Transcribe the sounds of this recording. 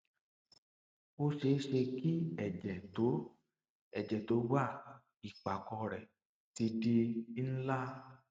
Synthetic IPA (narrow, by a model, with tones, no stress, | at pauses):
o˧ʃe˨˦ʃe˧ki˦ɛ˦˨d͡ʒɛ˨to˨˦ | ɛ˨d͡ʒɛ˨to˨˦ɡ͡ba˦˨ | i˨k͡pa˨kɔ˧ɾɛ˨ | ti˧di˧˦n̩˦la˦